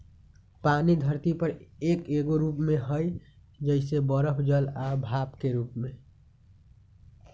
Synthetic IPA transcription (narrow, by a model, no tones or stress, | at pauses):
paːniɡ̪ʱəɾt̪ipəɾeːkeːɡoɾuːpmẽɦəj | d͡ʒəɪsebəɾəpʰd͡ʒəlabʱaːpkeɾuːpmẽ